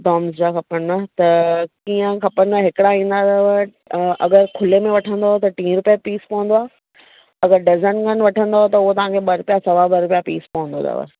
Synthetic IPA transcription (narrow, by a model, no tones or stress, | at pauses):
ɖɔːmsd͡ʑakɐpənat̪ɐkiːə̃kʰɐpənaɦɪkɪɽaĩːn̆d̪at̪ɐʋə | ɐɡəɾkʰʊlemẽʋɐʈʰə̃nd̪aɦot̪ɐʈĩːɾʊpijapiːspɐʋə̃n̆d̪oaː | ɐɡəɾɖɐzənkənʋɐʈʰə̃nd̪aɦot̪ɐʊɦot̪ɐʋ̤ãkʰeɓɐɾʊpijasɐʋabɐɾʊpijapḭːspɐʋə̃nd̪o̰t̪ɐ̰ʋə̰